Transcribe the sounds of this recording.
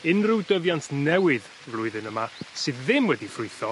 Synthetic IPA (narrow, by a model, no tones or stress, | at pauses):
ɪnrɪwdəvjantʰnɛwɪð | vlˠʊɨðɨnəmasɨðːɪmwɛdifrʊɨθɔ